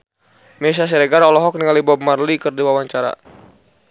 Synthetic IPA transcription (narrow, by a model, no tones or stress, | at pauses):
mɛs̬as̬ɛɾɛɡaɾɔlɔɦɔk̚niŋalibɔb̚marlikɨrdiwawaɲt͡ʃaɾa̰